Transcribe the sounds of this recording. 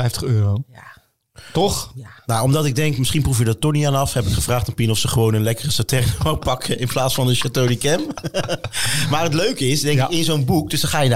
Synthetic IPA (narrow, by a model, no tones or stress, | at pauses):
ɛjftəχøːroa | tɔχnawɔmdɑtɪɡ̚dɛŋkmɪsχinprufjədɔtɔnianɑfhɛpɪkχəvraːχtanpinɔfsəχəʋownənlɛkərəsatɛrnəʋawpɑkʰəɪnplaːtsfɑndəʃatownikɛm | maːrɦətløɥkəɪsdɛŋɪkɪnzownbuk̚dɵøsdɑχaːjən